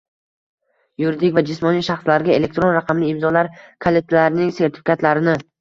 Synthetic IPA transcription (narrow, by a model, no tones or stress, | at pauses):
jʊɾɪd̪ɪkʲvad͡ʒɪsmɒnijʃaχslaɾɡʲae̞le̞k̚ʲt̪ɾo̞nɾaqʰɑmlɪːmzɒlaɾkʰalet̪ʰlaɾɪnɪŋse̞ɾt̪ʰɪ̥fɪ̥kʲʰat̪laɾɪnɪ